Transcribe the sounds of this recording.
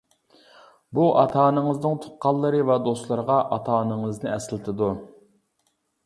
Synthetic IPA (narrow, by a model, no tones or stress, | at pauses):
buʔɑ̰t̪ʰɑːnɨŋəznɨŋt̪ʰʊ̥t̪̚qɑlˠːɨɾɨvɛd̪oslˠɑɾəʁɑʔɑt̪ʰɑːnɨŋəznɨɛsɪlɪt̪ʰɪd̪u